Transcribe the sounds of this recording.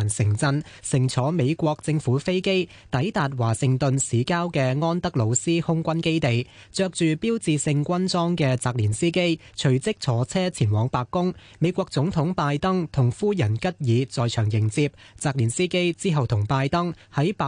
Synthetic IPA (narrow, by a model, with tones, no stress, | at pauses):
nsɪ˨˩ŋt͡sɐ˧n | sɪ˨˩ŋt͡sʰɔː˨˥me˨˧jkʷɔː˧k̚t͡sɪ˧ŋfuː˨˥fe˥jke˥j | t̪ɐ˨˥jt̪aː˨t̚waː˨˩sɪ˨ŋt̪ɵ˨nsiː˨˥kaː˥wkɛː˧ŋɔː˥nt̪ɐ˥k̚lo˨˧wsiː˥hʊ˥ŋkʷɐ˥nke˥jt̪e˨j | t͡sœː˧k̚t͡ʃyː˨piː˥wt͡siː˨sɪ˧ŋkʷɐ˥nt͡sɔː˥ŋkɛː˧t͡saː˨k̚liː˨˩nsiː˥ke˥j | t͡sʰɵ˨˩ɥt͡sɪ˥k̚t͡sʰɔː˨˥t͡sʰɛː˥t͡sʰiː˨˩nwɔː˨˧ŋpaː˧kːʊ˥ŋme˨˧jkʷɔː˧k̚t͡sʊ˨˥ŋt̪ʰʊ˨˥ŋpaː˧jt̪ɐ˥ŋt̪ʰʊ˨˩ŋfuː˥jɐ˨˩nkɐ˥t̚jiː˨˧t͡sɔː˨jt͡ʃʰœː˨˩ŋjɪ˨˩ŋt͡siː˧p̚t͡saː˧k̚liː˨˩nsiː˥ke˥jt͡siː˥ɦɐ˨wt̪ʰʊ˨˩ŋpaː˧jt̪ɐ˥ŋhɐ˨˥jpa˨˧